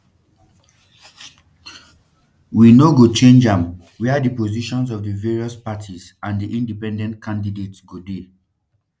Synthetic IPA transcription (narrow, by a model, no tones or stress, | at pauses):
winoɡot͡ʃẽnd͡ʒãm | wiadipoziʃɔ̃ns̬ɔvdəveɹiɔspatʰiz | ãndiʔĩndipɛ̃ndɛ̃ntkʰãndidetsɡode